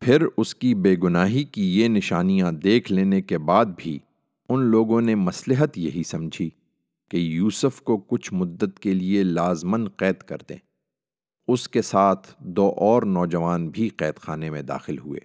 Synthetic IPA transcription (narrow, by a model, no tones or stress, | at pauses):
pʰɪɾʊskibeːɡʊnaːɦikijenɪʃaːnijãd̪eːkʰleːnekebaːd̪̚bʱi | ʊnloːɡõnemɐslɪɦət̪jɐɦisɐ̃md͡ʒʱi | kejuːsəfkokʊt͡ʃʰmʊd̪ːət̪kelielaːzmənqɛːt̪kɐ̰ɾt̪ḛ̃ː | ʊskesaːt̪ʰd̪oːʔɔːɾnɔːd͡ʒɐʋaːnbʱiqɛːt̪xaːnemẽd̪a̰ːxɪlɦuḛː